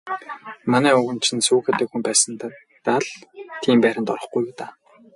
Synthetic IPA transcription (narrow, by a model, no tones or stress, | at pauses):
manæːɵɣɵ̆nt͡ɕʰɪ̆nsuːxĕːt̪eːkxumpæːsə̆n | t̪aɮt̪ʰiːmpæːɾʲɪ̆nt̪ɔɾɞ̆χɡujuːt̪aː